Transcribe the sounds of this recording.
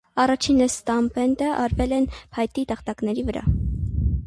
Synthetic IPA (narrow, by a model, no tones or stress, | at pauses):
ɑrɑt͡ʃʰinəst̪ɑmpɛnt̪əʔɑɾvɛlɛnpʰɑjt̪it̪əχt̪ɑknɛɾivəɾɑ̰